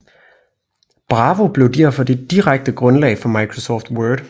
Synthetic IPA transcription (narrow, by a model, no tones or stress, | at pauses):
b̥ʁɑ̈ːʋo̝b̥le̝ʊd̥æɐfɒ̽d̥e̝d̥iʁaɡ̥̚d̥əɡ̥ʁɔ̽nlɛ̰ːɪfɒ̽mɑ̈ɪkʰʁo̝sɒ̰ːfd̥wœːd̥